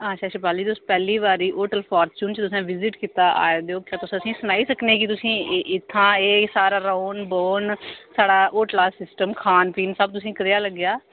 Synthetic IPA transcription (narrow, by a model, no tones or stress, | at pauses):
aːʃʰaːʃɪpaːliːt̪ʊspɛːliːʋaːɾiːʔoːʈəlpʰaːɾt͡ʃuːnt͡ʃt̪ʊsãːʋɪzɪʈkiːt̪aːʔa̰ːad̪eoːkjãːt̪ʊsəsĩːsʊnaːiːsəkneːkɪt̪ʊsĩːʔɪt̪ʰːãːeːsaːɾaːɾaːnboːnsaːɽaːʔoːʈlaːsɪsʈəmkʰaːnpiːnsəb̚t̪ʊsĩːkəɾjaːləɡjaː